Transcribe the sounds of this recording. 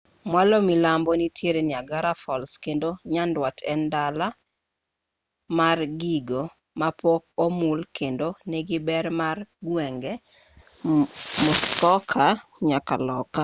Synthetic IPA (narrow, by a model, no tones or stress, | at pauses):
mwalomilambɔnitʰjeɾenɪaɡaɾafɔlskendoɲandwatʰɛndala | marɡiɡo | mapɔk̚omulkendonɛɡɪbɛɾmarɡwɛŋɡɛ | mʊskɔkʰaɲaka̰lɔka